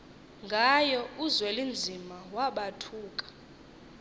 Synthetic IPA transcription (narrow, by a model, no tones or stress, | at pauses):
ŋɡʱajɔuzwɛlind͡zʱimawaɓatʰuːkʼḁ